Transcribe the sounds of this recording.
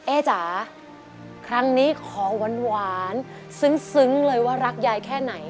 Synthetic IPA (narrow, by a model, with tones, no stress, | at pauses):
ʔeː˧˥˩t͡ɕaː˨˩˦ | kʰɾa˦˥ŋniː˦˥kʰɔː˩˦wa˧nwaː˩˦n | sɯ˦˥ŋsɯ˦˥ŋlɤː˧jwaː˥˩ɾa˦˥k̚jaː˧jkʰɛː˥˩na˩˦j